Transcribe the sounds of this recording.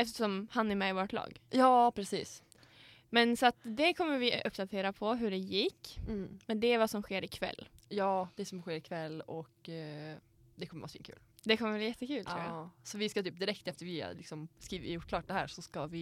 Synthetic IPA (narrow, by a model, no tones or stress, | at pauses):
ɛft̪əʂɔmhanɛmɛvoːɾʈ̪ʰlɑ̰ːɡjɑːpʰɾɛsiːs | mɛnsɔat̪d̪ɛkʰɔmːəɾvɪʔʔɵpːd̪at̪ʰeːɾapʰɔɦɵɖɛjɪkːmɛnd̪ɛɾvasɔmɧeːɾɪkʰvɛ̰lːjɑːd̪̥ɛsɔmɧeːɾɪkʰvɛlːɔk | d̪ɛkʰɔmːəvʔa̰sfḭːnkʰʉ̰ːld̪ɛkʰɔməblajɛt̪ːəkʰʉ̟ːlt̪ʰɾuːjasɔvɪskat̪yːp̚d̪ɪɾɛk̚t̪ɛft̪əɾvɪ̰lɪksɔmskɾiːɪ̰jʊʈ̚ːkʰlɑːʈ̚d̪ɛhæ̰ːɾʂɔskavɪ